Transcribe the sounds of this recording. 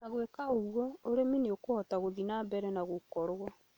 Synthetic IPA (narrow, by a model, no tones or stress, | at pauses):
naɣwekaoɣwɔoɾemineokohɔtaɣoðinaːmbɛɾɛnaɣokɔɾwa